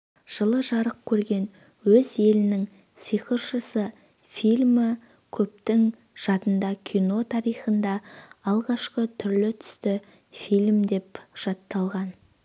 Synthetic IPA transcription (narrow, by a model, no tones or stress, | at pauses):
ʒ̥əlˠəʒɑɾəq̚kʲʰɵɾɡʲe̞n | wɵze̞lɪnɪŋ | sijqəɾʃəsə | filʲmɪ | kʲʰɵp̚t̪ɪŋ | ʒ̥ɑt̪ənd̪ɑkʲʰijno̞t̪ʰɑɾijχənd̪ɑːlˠʁɑʃqət̪ʰʏɾlɪt̪ʰʏ̥st̪ɪ | filʲmd̪e̞pʒ̥ɑt̪ːɑlˠʁɑn